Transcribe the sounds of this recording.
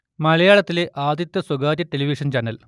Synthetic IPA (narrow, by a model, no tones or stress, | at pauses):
mɐlɐjaːɭɐt̪ːileʔaːd̪jit̪ːɐswɐɡaːdɐʈːeliʋiʂɐnt͡ɕɐnːɐl